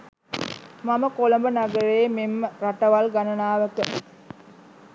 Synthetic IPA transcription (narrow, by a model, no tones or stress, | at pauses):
maməkolɐmbənaɡəɾeːmeməɾaʈɐʋalɡanɐnaːʋəkə